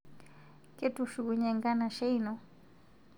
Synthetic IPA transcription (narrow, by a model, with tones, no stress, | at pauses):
kʼe˦tʼuʃu˨kuɲɛ˨ŋɡa˦na˨ʃe˦inɔ˨